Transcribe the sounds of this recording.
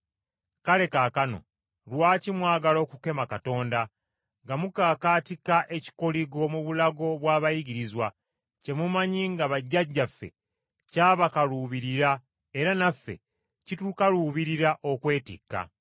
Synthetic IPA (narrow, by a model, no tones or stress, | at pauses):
kale̞kakano̞̰ | lwaːcimwaːɡalo̞ːkuke̞makato̞ːnda | ŋɡamukaːkaːtikaʔeci̥koliɡo̞muβulaɡo̞βwaːβajiɡiɾizwa | ce̞mumaɲiŋɡaβaɟːaɟːafːe̞̰ | caːβakaluβiɾiɾa | eɾanafːḛ | citukaluːβiɾiɾaʔo̞kwe̞ːtḭkːa̰